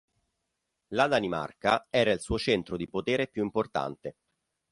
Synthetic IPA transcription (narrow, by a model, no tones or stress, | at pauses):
lad̪anima̰rkaɛːɾailsuːot͡ʃɛnt̪ɾod̪ipot̪eːɾepjuimport̪a̰nt̪e